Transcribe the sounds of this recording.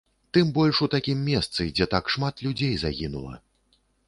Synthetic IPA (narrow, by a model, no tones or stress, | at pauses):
t̪ɨmbɔlʲʂut̪akʲimːʲɛst̪sɨd͡zʲɛt̪akʂmat̪lʲud͡zʲejzaɣʲinṵlˠɐ̰